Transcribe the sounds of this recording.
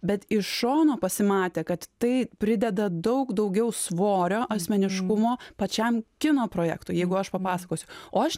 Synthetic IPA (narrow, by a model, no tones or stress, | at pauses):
bʲɛt̪ɪʃʃoːnoːpɐsʲɪmɑːt̪ʲeːkɐt̪t̪ɐɪpʲɾʲɪd̪ʲɛd̪ɐd̪ɐʊkd̪ɒʊɡʲɛʊsʋoːɾʲoːʔɐsʲmʲɛnʲɪʃkʊmoːpɐt͡ʃʲɛmkʲɪnoːpɾoːjæ̰ːkt̪ʊːjɛɪɡʊɐʃpɐpɑːsɐkoːsʲʊoːɐʃ